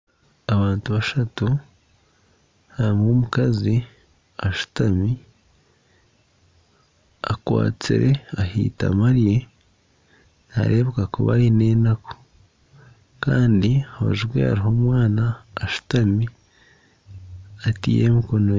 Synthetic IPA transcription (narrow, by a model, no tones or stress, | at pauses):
aβaːntuβaʃatu | haɾimwoːmukazi | aʃu̥tami | a̰kwa̰ːt͡sḭɾe̞ahḭːta̰maɾije̞ | na̰ɾe̞ːβekakṵβa̰ɾine̞ːnako̥ | ka̰ːndiaho̰ʒiɡwḛa̰ɾiɦo̞ːmwaːnaːʃu̥tami | atije̞̰miko̞no